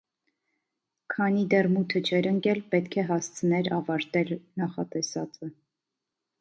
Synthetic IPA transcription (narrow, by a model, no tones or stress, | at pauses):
kʰɑnid̪ɛrmut̪ʰət͡ʃʰɛɾəŋkɛlpɛt̪kʰɛɦɑst͡sʰənɛɾɑvɑɾt̪ɛlnɑχɑt̪ɛsɑt͡sə